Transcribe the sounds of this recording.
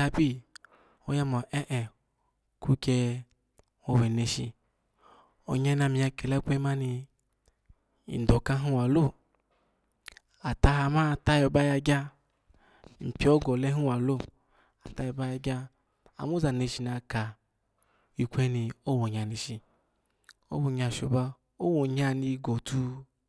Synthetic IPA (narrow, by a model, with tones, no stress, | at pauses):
a˧bi˦˨ | o˦ja˦ma˨ʔɛ˦ʔɛ˨ | kʰu˦ke˧ | o˧wɛ˨ne˧ʃḭ˧ | o̰˨ɲa˧˦na˧mi˨a˧ke˨la˦kʷe˦ma˦ni˧ | ḭ˨do˨ka˦ɦu˦wa˨lo˦˨ | a˨ta˧ɦa˧ma˦˨ta˦jɔ˨ba˦ja˧ɡʲa˦ | m̩˨pʲi˨ɔ˦ɡɔ˨lɛ˦ɦu˦wa˨lo˦˨ | a˨ta˨˦jo˧˨ba˦ja˧ɡʲa˦ | a̰˨mo˦za˨ne˧˨ʃi˧na˧ka˨ | i˧kʷe˦ni˧o˦wo˨ɲa˨ni˧ʃi˨ | o̰˦wo˨ɲa˧˨ʃo˨ba˧ | o˦wo˨ɲa˧ni˧ɡo˨tu˧